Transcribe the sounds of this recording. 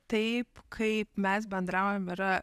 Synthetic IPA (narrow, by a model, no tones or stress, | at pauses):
t̪ɐɪpkʰɐɪpmʲɛs̬bʲɛnd̪ɾɑʊjomɪɾɐ